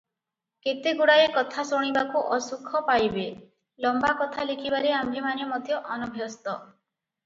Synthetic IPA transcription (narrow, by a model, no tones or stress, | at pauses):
ket̪eɡuɽajekɔt̪ʰasoɽ̃ibakuʔɔsukʰɔpajbe | lɔmbakɔt̪ʰalikʰibaɾeambʱemanjɔmɔd̪ʱjɔʔɔnɔbʱjɔst̪ɔ